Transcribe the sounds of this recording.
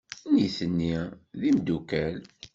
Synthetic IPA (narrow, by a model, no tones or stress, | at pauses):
niθənːiðimd̪ukæl